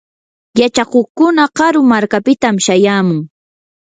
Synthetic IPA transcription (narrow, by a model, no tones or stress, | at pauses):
jat͡ʃakoχkʊnaqɑɾʊmaɾkapɪt̪amʃajaːmʊŋ